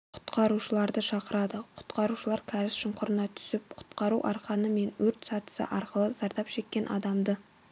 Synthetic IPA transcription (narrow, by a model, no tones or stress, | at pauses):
qʰʊ̥t̪qʰɑɾuʃəlˠɑɾd̪əʃɑqəɾɑd̪əqʰʊ̥t̪qʰɑɾuʃəlˠɑɾkʲʰæɾɪsʃʊɴqʰʊɾənɑt̪ʰʏ̥sɪp̚qʰʊ̥t̪qɑɾuʔɑ̰ɾqɑnəme̞nwɵɾt̪sɑt̪ə̥sə̰ʔɑɾqəlˠəz̥ɑɾd̪ɑpʃe̞kʲːe̞nʔɑ̰d̪ɑmd̪ə